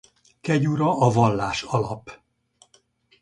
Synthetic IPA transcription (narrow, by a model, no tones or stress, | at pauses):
kɛɟuɾɒʔɒvɒlːaːʃɒlɒp